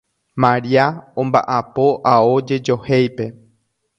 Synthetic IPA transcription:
mãɾiaõmbaʔapo̞ʔaod͡ʒe̞d͡ʒo̞hejpe̞

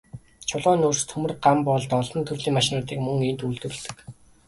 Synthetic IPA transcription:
t͡ɕʰʊɮɔːnurst̪ʰɵmɘ̆rɢampɔɮt̪ɔɮɞ̆nt̪ʰɵrɮiːŋmaʃɪnʊːt̪iːkmɵŋent̪uɮt̪ɘ̆r̆ɮt̪ɘ̆k

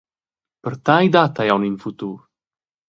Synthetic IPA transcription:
pəɾt̪ajd̪at̪ajawninfut̪uːɾ

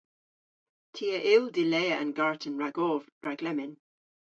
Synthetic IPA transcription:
tʰiəʔɪlˠdɪleɪəʔə̰̃nɡaɹʔən̩ɹaɡɔːvɹaɡlɛmɪn

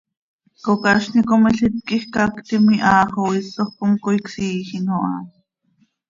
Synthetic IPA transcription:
kokɑʃnikomiɬit̪̚kixkakt̪imiʔɑːχowisːoχkoŋkoiksiːxinoʔɑ̰ː

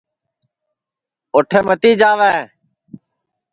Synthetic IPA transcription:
ʊʈʰeːmət̪iːd͡ʒaːʋɛː

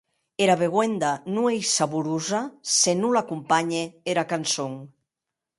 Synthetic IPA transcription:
eɾaβeɣwend̪anũejsaβuɾuzasenulakumpaɲeeɾakansoŋ

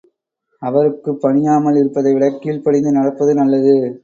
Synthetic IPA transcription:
ɐʋɐɾɯkːɯpːɐɳɪjaːmɐɭɪɾɯpːɐðɐɪʋɪɭɐkːiːɭpɐɽɪnd̪ɯnɐɽɐpːɐðɯnɐlːɐðɯ

